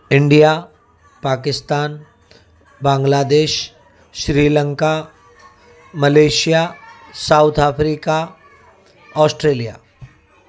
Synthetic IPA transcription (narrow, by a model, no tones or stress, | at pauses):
ɪ̃ɳɖija | paːkɪst̪aːn | bãːŋɡlaːd̪eːʃ | ʃɾiːlə̃ŋka | mɐleːʃijasaʊt̪ʰaːpʰɾiːka | ɔːsʈɾeːlija̰ː